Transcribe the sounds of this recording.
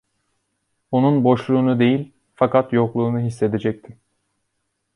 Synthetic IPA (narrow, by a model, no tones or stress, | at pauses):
onunbo̞ʃlˠuːnud̪e̞jilʲ | fakat̪joklˠuːnuɦisːe̞d̪ed͡ʒɛc̚t̪ʰim